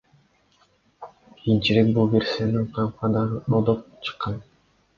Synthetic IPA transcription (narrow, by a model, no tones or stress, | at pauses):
kʰijint͡ʃiɾek̚bulˠbe̞ɾseniɴqʰɑqɑd̪ɑɾɯod̪op̚t͡ʃʰɯ̥qːɑn